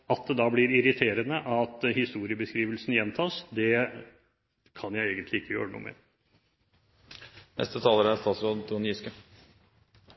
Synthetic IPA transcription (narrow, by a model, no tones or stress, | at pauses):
ɑt̪̚d̪ɛd̪ɑːblɪɾɪɾɪt̪ʰeːɾənəʔɑt̪hɪst̪uːɾɪəbəskɾiːʋəlsnjɛnt̪ʰɑːsd̪ɛ | kʰɑnjæɪeːɡənt̪lɪɪkːəjø̰ːɾənṵːmḛːɾ | nɛ̰st̪ət̪ʰɑːləɾæst̪ɑːt̪sɾoːd̪t̪ʰuːnjyskə